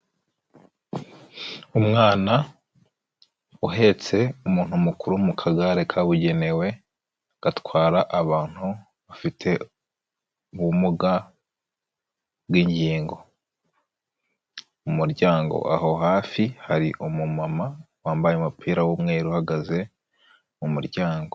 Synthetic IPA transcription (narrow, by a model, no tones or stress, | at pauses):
umŋaːna | uɦe̞t͡se̞umuːn̥humukuɾumukʰaɡaɾe̞kʰaβuɟe̞ne̞we̞ | ɡ̥atwaːɾaʔaβaːn̥hu | βafitʰe̞ | uβumuɡa | bwiːɲɟiːŋɡo̞ | umuɾɟaːŋɡo̰ʔa̰ho̞ɦaːfihaɾiʔomumama | waːmbajemupʰiːɾawomŋe̞ːɾuhaɡaze̞ | mumuɾjaːŋɡo